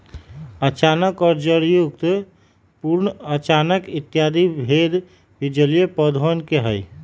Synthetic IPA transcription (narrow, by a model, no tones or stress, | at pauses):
ət͡ʃanəkɔɾd͡ʒəɾjukt̪ | puɾnət͡ʃanəkit̪jad̪ibʱed̪ | bid͡ʒəlijepəd̪ʱənkeɦəj